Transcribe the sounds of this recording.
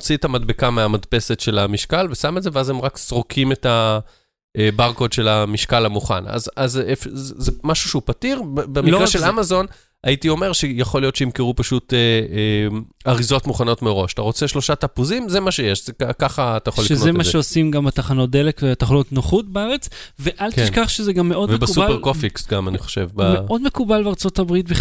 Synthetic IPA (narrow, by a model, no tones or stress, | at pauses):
t͡sitamadbekameamadpe̞setʃe̞lamiʃkalvesamedzeveazemʁakz̥ʁokʰime̞ta | ebaʁko̞dʃe̞lamiʃkalhamuχa̰na̰zazefzzemaʃuʃeupatiʁbbemilʁaʃelamazo̞n | aitio̞me̞ʁʃejaχo̞lijo̞t̪ʃeimkeʁupaʃuteeaʁizo̞tmuχano̞tmeʁo̞ʃḁtaʁo̞t͡seʃlo̞ʃatapuzimzemaʃejeʃzekakaχaːt̪ajaoliʃeknozemaʃeosimɡamat̪aχano̞t̚d̪elekveataχanotnoχutbeaʁet͡s | veʔalk̪ʃkaχʃezeɡamːeʔodvembeusupeʁkofiksɡamaniχo̥ʃevbameʔo̞dmekubalbeaʁt͡so̞tabʁit̪̚biχ